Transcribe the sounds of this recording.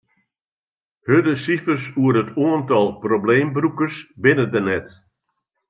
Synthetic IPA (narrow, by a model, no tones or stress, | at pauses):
hødəsifərsuəɾətʰoəntɔlˠprobleːmbrukərsbɪnədənɛt